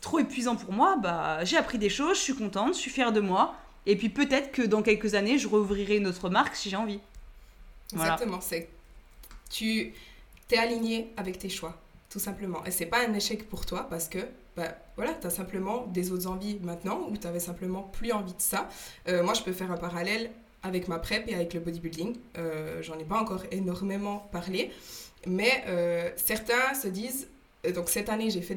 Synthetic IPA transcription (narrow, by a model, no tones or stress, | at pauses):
t̪χoepɥizɑ̃puʁmwabaʒeapχid̪eʃozəsɥikɔ̃t̪ɑ̃t̪ʒə̥sifjɛʁd̪əmwa | epɥipøt̪ɛt̪χə̥kəd̪ɑ̃kʲɛlkəzaneʒəʁəuvʁiʁɛynot̪χəmaʁksiʒeɑ̃vi | ɛɡvwzalaat̪əmɑ̃sɛ | t̪ʰy | t̪ɛaliɲjeavɛkt̪eʃwat̪usɛ̃pləmɑ̃ʔesɛpaɛ̃neʃɛkpuʁt̪wapaʁsə̥kə | bavwalat̪yasɛ̃pləmɑ̃d̪ezot̪χzɑ̃vimɛ̃t̪nɑ̃ut̪yavɛsɛ̃pləmɑ̃plyɑ̃vid̪əsaømwaʒəpøfɛʁɛ̃paʁalɛl | avɛkmapχɛpeavɛkləbɔd̪ibyld̪iŋøʒɑ̃nɛpaɑ̃kɔːʁenɔʁmemɑ̃paʁlemɛʔøsɛʁt̪ɛ̃səd̪iːz | d̪ɔ̃ksɛt̪aneʒefɛ